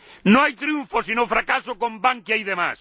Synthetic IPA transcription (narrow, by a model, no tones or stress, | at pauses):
nõŋajt̪ɾjuɱfosinofɾakasʊkõmbaŋkjajðema̰s